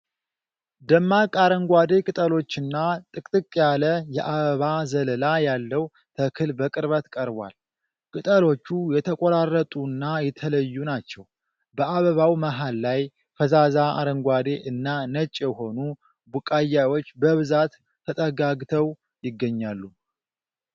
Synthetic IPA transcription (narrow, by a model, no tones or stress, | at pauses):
d̪əmːakʼaɾəŋɡʷad̪e̞kʼɨt̪ʼəlo̞t͡ʃːɨnːat̪ʼɨkʼt̪ʼɨkʼːjaləjɛʔaβəβazələlajalːəw | t̪ʰəkʰɨlbəkʼɨɾβət̪kʼəɾβwa̰l | kʼɨt̪ʼəlo̞t͡ʃːujɛt̪ʰəkʼoɾarːət̪ʼunːajɛt̪ʰələjːunat͡ʃːɛw | bəʔaβəβawməɦalːaj | fəzazaa̰ɾəŋɡʷad̪e̞ʔɨnːanət͡ʃʼjɛho̞nu | bukʼajawo̞t͡ʃːbəβɨzat̪ʰː | ət̪ʼəɡaɡt̪ʰəw | jɪɡːəɲːalːu